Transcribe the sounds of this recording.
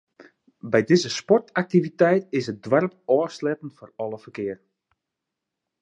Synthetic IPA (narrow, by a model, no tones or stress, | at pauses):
bɛjdɪzəspɔrtʰak̚tivitɛjtɪsət̚dwɛrpɔːslɛtənforɔlˠəfərkɪər